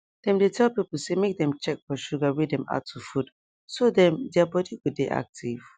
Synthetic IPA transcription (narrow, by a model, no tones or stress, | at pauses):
d̥ɛ̃mdetʰɛlˠpipl̩ˠsemek̚dɛ̃mt͡ʃɛk̚fɔʃuɡawedɛ̃ma̰tʰːufud | sodɛ̃mdabɔdiɡodeʔa̰k̚tʰiv̥